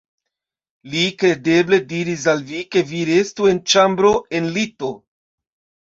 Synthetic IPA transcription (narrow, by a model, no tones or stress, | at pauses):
likɾe̞de̞ble̞diɾis̬alvike̞viɾe̞stue̞nt͡ʃambɾo̞e̞nlito̞